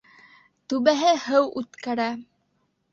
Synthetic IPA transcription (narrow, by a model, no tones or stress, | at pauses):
t̪ʉβæɦɘhɤwʉt̪kæɾæ